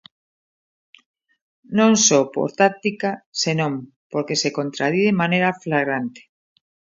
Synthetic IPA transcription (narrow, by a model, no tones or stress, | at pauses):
nõŋsopo̰ɾt̪ak̚t̪ikasenõm | poɾkesekont̪ɾaðiðemanejɾaflaɣɾant̪e̥